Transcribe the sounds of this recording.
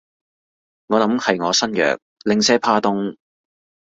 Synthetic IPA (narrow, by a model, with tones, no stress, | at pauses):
ŋɔː˨˧lɐ˨˥mhɐ˨jŋɔː˨˧sɐ˥njœ̰ː˨k̚lɪ˨ŋsɛː˥pʰaː˧˥t̪ʊ˥ŋ